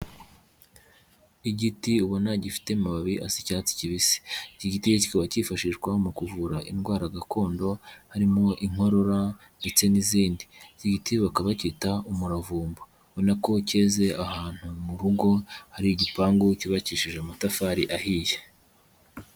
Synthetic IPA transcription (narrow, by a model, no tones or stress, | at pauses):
iɟitiuβonaɟifi̥te̞maβaβiʔasicaːt͡si̥ciβise̥iciɟitiecikoβacifaʃiʒɡwamukuvuɾaʔinɡwaːɾaɡakʰo̞ːndo̞haɾimo̞ʔiŋo̞ɾo̞ɾa | ndet͡se̞niziːndiiciɟitiβakaβacitaumuɾavuːmbo | βonako̞ce̞ːze̞ʔahaːn̥humuɾuɡo̞haɾiiɟipaːŋɡuciβaciʃiʒeumutafaːɾiʔahiːje